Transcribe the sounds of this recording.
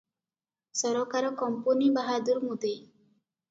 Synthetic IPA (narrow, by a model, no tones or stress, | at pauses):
sɔɾɔkaɾɔkɔmpunibaɦad̪uɾmud̪e